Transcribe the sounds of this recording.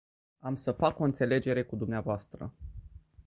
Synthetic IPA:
amsəfako̞ɨnt̪se̞le̞d͡ʒe̞ɾe̞kud̪umneavoast̪ɾə̰

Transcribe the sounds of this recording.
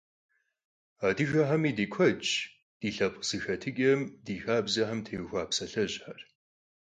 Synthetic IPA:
aːdɨʒɐħɐmiːdiːkʷʰɐt͡ʃʼ | d̥iːɬɐpʼz̥ɨxɐtʰɨɡʲʼɐmdiːxaːbzɐħɐmtʰeːwxʷaːpsɐɬɐʑħar

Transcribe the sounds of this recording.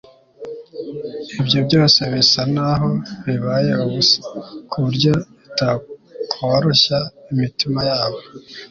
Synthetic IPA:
ibjo̞bɟo̞ːse̞βisanaɦo̞βiβajeuβusḁkʰuɾɟo̞itakʰoɾoɕaimitimajaːβo̞

